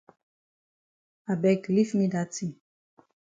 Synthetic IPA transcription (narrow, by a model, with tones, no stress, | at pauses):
a˨bɛ˨kli˦fnĩ˦da˦tʰi˨